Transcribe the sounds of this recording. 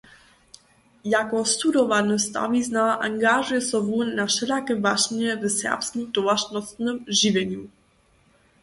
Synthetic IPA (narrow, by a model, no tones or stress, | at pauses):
jakɔst̪ud̪ɔvanəst̪a̰viznaʔaŋɡaʒujɛsɔvunːaʃɛlakɛvaʃɲɛvɛsɛ̰ʁpskimd̪ɔvaʃnɔst̪nəmʒivʲjɛɲu